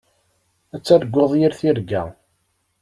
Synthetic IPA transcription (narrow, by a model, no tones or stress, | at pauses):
æt͡sːæðəɡʷːoðˤjiɾθiɾɡæ̰